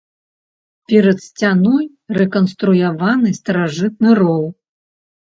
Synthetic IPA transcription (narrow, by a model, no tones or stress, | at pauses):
pʲɛɾɐt̪sʲt͡sʲanɔj | rɛkɐnst̪ɾujavanɨst̪ɐɾaʐɨt̪̚nɨrɔw̪ˠ